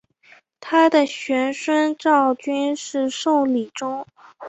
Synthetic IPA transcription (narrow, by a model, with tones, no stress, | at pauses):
t̪ʰa˥d̪ə˨ɕɥɛ˧˥nʂwa˥nʈ͡ʂɑ˥˩ʊt͡ɕy˥nʂɻ̩˥˧ʂo˥˩ʊli˨˩ʈ͡ʂʊ˥ŋ